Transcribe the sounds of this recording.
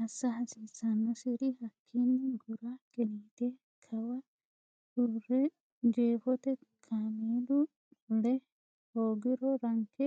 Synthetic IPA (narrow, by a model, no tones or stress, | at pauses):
ɐsːɐhɐsiːsɐnːɐsɪɾɪhɐkʰːinːɪɡʊɾakɛniːt̪e | kʰɐwɐ | ʊrɛ | d͡ʒeːfɔt̪ɛkʰaːmeːd̪ʊ | lɛ | hoːɡɪɾɔɾɐŋkɛ